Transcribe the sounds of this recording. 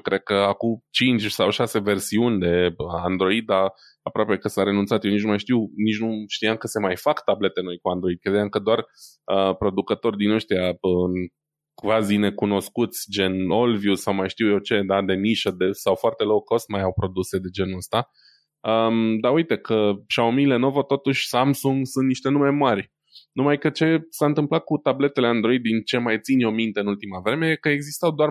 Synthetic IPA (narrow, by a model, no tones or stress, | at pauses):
kɾed̪̚kəakut͡ʃint͡ʃʲsawʃase̞ve̞rsiunʲd̪e̞and̪ɾo̞id̪a | apɾoape̞kəsaɾe̞nunt̪sat̪jewnit͡ʃnumajʃt̪iwnit͡ʃnuʃt̪ijamkəse̞majfakt̪able̞t̪eno̞jkuand̪ɾo̞id̪̚ked̪ejamkəd̪oar | əpɾo̞d̪ukət̪o̞rʲd̪inəʃt̪ijaə | kvazine̞kuno̞skut̪sʲd͡ʒe̞no̞lvjusawmajʃt̪iwjot͡ʃe̞d̪ad̪e̞niʃəd̪esawfoart̪e̞lokːost̪majawpɾo̞d̪use̞d̪e̞d͡ʒe̞nuəst̪a | əd̪aujt̪e̞kʰəʃaomile̞no̞vət̪o̞t̪uʃʲsamsuŋɡsunt̪niʃt̪e̞numemarʲ | numajkət͡ʃe̞saɨnt̪ɨmplat̪̚kut̪able̞t̪e̞le̞and̪ɾo̞id̪d̪ːint͡ʃe̞majt̪sinjo̞mint̪e̞ɨnult̪imavɾe̞me̞jekəeɡzist̪awd̪oar